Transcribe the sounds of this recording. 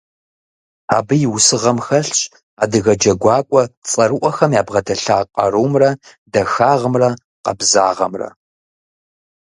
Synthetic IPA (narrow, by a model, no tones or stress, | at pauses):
a̰ːbɨjɪwʊsɨʁɐmxɐɬɕʼ | aːdɨɣɐd͡ʒɐɡʷɑːkʷʼɔt͡sʼɐɾɨʔʷɔxɐmjaːbʁɐdʰɐɬaːqʼɐɾuːmrɐ | dɐxaːʁəmrɐ | qɐ̰bzaːʁɐ̰mrɐ̰